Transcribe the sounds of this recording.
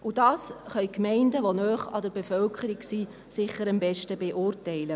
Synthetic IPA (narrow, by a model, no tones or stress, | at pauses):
ʔud̥ɑːsχœʏɥkmɛɪndəʋonœːχɑ̰dəɾbefœlkʰəɾiɡsi | sɪχːəɾəmbɛʃtəbeʔʊːrtɛɪlə